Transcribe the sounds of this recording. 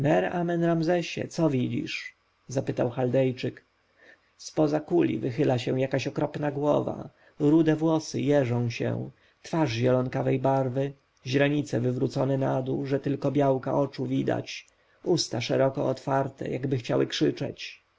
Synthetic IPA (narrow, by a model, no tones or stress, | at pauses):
mɛɾamɛnɾamzɛɕɛ̰t̪sɔvʲid͡ʑḭʂ | zapɘt̪awxald̪ɛjt͡ʂɘk | spɔzakulʲḭvɘxɘlaɕɛw̃jakaɕɔkɾɔpnaɡwɔva̰ | ɾud̪ɛvwɔsɘ̰jɛʐɔ̃w̃ɕɛ̰w̃ | t̪faʐʑɛlɔnkavɛjbaɾvɘ | ʑɾaɲit̪sɛvɘvɾut̪sɔnɛnad̪uʐɛt̪ɘlkɔbʲjawka̰ʔɔt͡ʂuvʲid̪a̰t͡ɕ | ust̪aʂɛɾɔkɔɔt̪faɾt̪ɛ̰jaɡbɘxt͡ɕawɘkʂɘt͡ʂɛ̰t͡ɕ